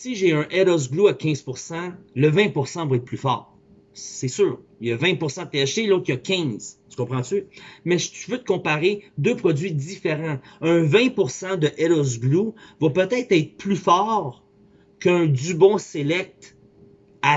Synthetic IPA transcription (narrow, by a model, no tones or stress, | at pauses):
siʒeœ̃ʔɛɾɔz̬ɡluakʲɛ̃z̥puʁsɑ̃ləvɛ̃puʁsɑ̃vwaɛt̪̚pʰlyfɑ̰ːʁ | sɛsyːʁ | jəvɛ̃puʁsãd̪̚t̪eaʃelot̪χjakʲɛ̃z̥t̪y̥kɔ̃pχɑ̃t̪ymɛʒt̪yvøt̪ə̥kɔ̃paʁed̪øpχɔdzɥid̪ifeʁɑ̃œ̃vɛ̃puʁsɑ̃d̪əʔɛɾɔz̬ɡluvwapøt̪ɛt̪χɛːt̪χplyfɑːʁ | kə̃d̪ybɔ̃selɛk̚t̪ | a